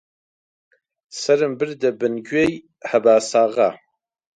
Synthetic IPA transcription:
sɐɾɨmbɨrd̪ɐbɨnɡej | ħabaːsaːʁa

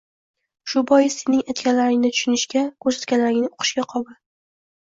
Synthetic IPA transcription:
ʃʊbɒjɪz̥senɪŋajt̪kʲalaɾɪŋnɪt̪ʰʊ̥ʃʊnɪʃkʲakʲʰɵɾsḁt̪kʲalaɾɪŋnɪoqʰɨ̥ʃkʲaqʰɒba

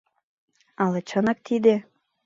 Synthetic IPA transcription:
ɑlɤt͡ɕɤ̆nɑk̚t̪ʰid̪e

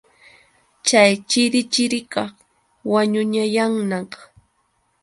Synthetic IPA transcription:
t͡ʃajt͡ʃɪɾɪt͡ʃɪɾɪkɑχ | waɲʊɲajaŋnɑχ

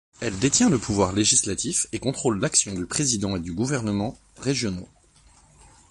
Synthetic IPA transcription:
ɛld̪et̪jɛ̃ləpʰuvwaʁleʒislat̪ifekɔ̃t̪χolːaksjɔ̃d̪ypχezid̪ɑ̃ed̪yɡuvɛʁnəmɑ̃ | ʁeʒjɔno

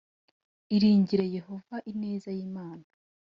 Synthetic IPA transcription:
iɾiːɲɟiɾeje̞ho̞vaʔineːzajiːmaːna

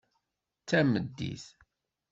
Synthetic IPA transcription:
t͡sːæməd̪ːḭθ

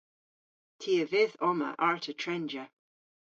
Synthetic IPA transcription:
tʰiːəvɪðɔmə̰ʔaɹtʰətʰɹɛnd͡ʒə

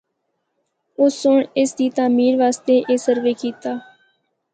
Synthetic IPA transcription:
ʊsʊɳɪsd̪iːt̪aːmiːɾʋaːst̪eːʔeːsəɾʋeːkiːt̪aː

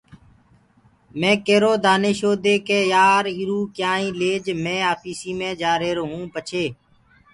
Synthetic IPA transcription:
mẽːkeːɾoːd̪aːneːʃoːd̪eːkeːjaːɾiːɾuːkjaːĩːleːd͡ʒmẽːaːpʰiːsiːmẽːd͡ʒaːɾeːɾoːɦũːpət͡ʃʰeː

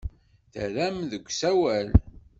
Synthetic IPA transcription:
θə̰ɾæmðəɡʷsæwæl

